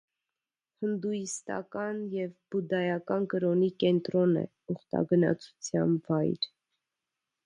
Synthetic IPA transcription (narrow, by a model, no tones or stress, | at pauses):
hənd̪ujist̪ɑ̰kɑnjɛvbud̪ɑjɑkɑnkəɾɔnikɛnt̪ɾɔnɛ̰ | uχt̪ɑ̰ɡənɑ̰t͡sʰu̥t͡sʰjɑnvɑjɾ